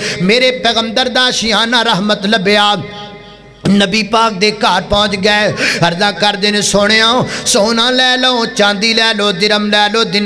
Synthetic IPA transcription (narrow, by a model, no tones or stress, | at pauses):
meːɾeːpɛːɣəmd̪əɾd̪aːʃɪãːnãːɾəɦmət̪ləbjaː | nəbiːpaːk̚d̪eːkaːɾpɔ̃ːt͡ʃɡəeɦəɾd̪ãːkəɾd̪eːneːsʊɽ̃eːaːõsoːnãːlɛːləõːt͡ʃãːnd̪iːlɛːloːd̪ɪɾəmlɛːloːd̪ɪn